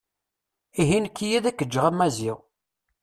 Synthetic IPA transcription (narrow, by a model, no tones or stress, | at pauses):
iɦinkːijæðækːəd͡ʒːəʁæmːæziʁ